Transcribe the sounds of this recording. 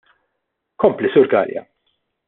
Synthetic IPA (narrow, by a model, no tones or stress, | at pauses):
kɔmplisʊːɾɡɐ̰ːljɐ̰